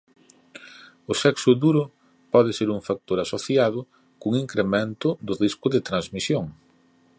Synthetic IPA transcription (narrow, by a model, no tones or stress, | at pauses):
ʊsɛksʊðuɾʊ | pɔðɪseɾuŋfak̚t̪oɾasoθjaðʊ | kuŋiŋkɾemẽnt̪ʊðʊriskʊðɪt̪ɾanzmisjoŋ